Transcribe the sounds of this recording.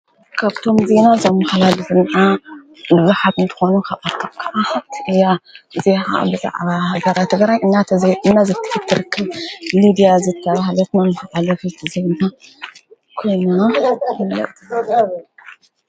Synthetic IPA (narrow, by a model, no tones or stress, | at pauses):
kʰaβt̪ʰo̞mzenazɐmːaxlalɨzɨnʕa | bɨzuħat̪ɨnt̪ʰɐ̥xonukʰaβʔat̪ʰːɐmkʰaʔaat̪ʰʔɨjazeha̰ʔa̰bɨza̰ʕβahaɡɐɾat̪ʰːɨɡɾajʔɨnːaɨnːazɨt̪ʰːɨ̥ħɨt̪ʰːɨɾɨkʰːɨβmid̪ijazɨt̪ʰːɐβahlɐt̪nɐmɨxɨʔalɐfit̪ʰɨzɨβnt̪ʰa | kʰo̞jnunanɐ̰ʔt̪ʰɐ